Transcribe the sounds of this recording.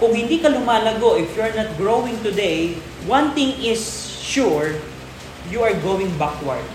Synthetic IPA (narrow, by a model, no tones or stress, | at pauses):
kʊŋhɪ̃nd̪iːkɐlʊmaːlɐɡoʔɪfjuɹnat̪̚ɡɹowɪ̃ŋt̪ʊd̪ej | wɐ̃nθɪ̃ŋɪs | ʃuɹ | juɐɹɡowɪ̃ŋbakwɐɹd̪̚